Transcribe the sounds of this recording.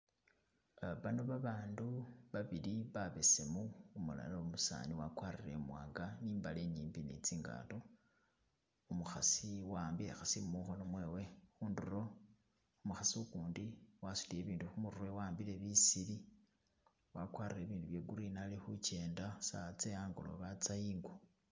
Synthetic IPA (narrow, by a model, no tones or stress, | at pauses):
βanoβaβaːnduβaβiliβaβe̞se̞muumula̰lomusa̰ːniwakwaːɾiɾemwaːŋɡaniːmbaleɲiːmbinḭt͡siːŋɡa̰ːto | umuxasiwaːmbilexasimuxo̞no̞mwe̞ːwe̞xuːnduro̞ | umuxasiukuːndiwasu̥lije̞βiːnduxumururwewaːmbile̞βisili | wakwaːɾiɾe̞βiːnduβje̞ɡuɾinalixut͡ʃe̞ːndasat͡sejaːŋɡo̰lo̰βat͡saiːŋɡwo